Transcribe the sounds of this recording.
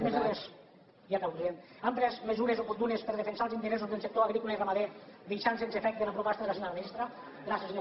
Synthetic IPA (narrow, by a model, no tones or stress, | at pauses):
mezuɾez | jakawkɾien | ampɾɛzmezuɾezopuɾt̪unespeɾð̞efensalˠzint̪eɾes̬uzd̪elˠsek̚t̪oaɣɾikulairamaðed̪eʃansensefɛk̚t̪̚d̪elapɾupɔst̪aðelasinamist̪ɾa | ɡɾasezi